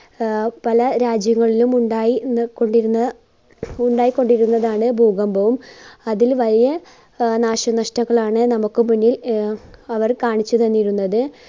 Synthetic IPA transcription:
pɐlɐɾaːd͡ʑjɐŋːɐɭilumuɳɖaːjikːo̞ɳɖiɾːɐ | uɳɖaːjikːo̞ɳɖiɾunːɐðaːɳɨbʱuːɡɐmbɐʋumɐðilʋɐlijɐ | naːɕɐnɐʂtɐŋːɐɭaːɳɨnɐmukːɨmunːjil | ɐʋɐrkaːɳit͡ɕːut̪ɐnːiɾunːɐðɨ

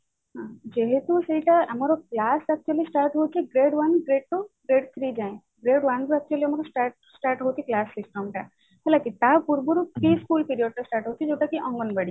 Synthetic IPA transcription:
ɦãd͡ʒeɦet̪useɦiʈaəmɔɾɔklasɛk̚t͡ʃuəlisʈaɾʈɦowt̪ʰiɡɾeɖʋanɡɾeɖ̚ʈuɡɾeɖt̪ʰɾid͡ʒaẽ | ɡɾeɽʋant̪uɛk̚t͡ʃuəliɐmaɾɔsʈaɾʈ̚sʈaɾʈɦot̪ʰiklasːisʈəmʈa̰ | ɦɛlakit̪apuɾbuɾutɾiskulpiɾijɔɖ̚ʈasʈaɾʈɦowt̪ʰid͡ʒewʈakiʔɔ̃ŋɡɔnbəɽi

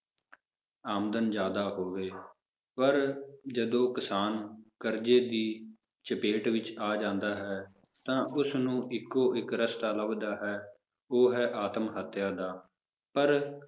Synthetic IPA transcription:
aːmd̪ənd͡ʒjaːd̪aːɦoːʋeː | pəɾd͡ʒəd̪õːkɪsaːnkəɾd͡ʒeːd̪iː | t͡ʃəpeːʈʋɪt͡ʃaːd͡ʒãːnd̪aːɦɛː | t̪ãːʔʊsnũːʔɪkːoːʔɪkɾəst̪aːləbd̪aːɦɛː | oːɦɛːʔaːt̪əmɦət̪ʰjaːd̪aː | pəɾ

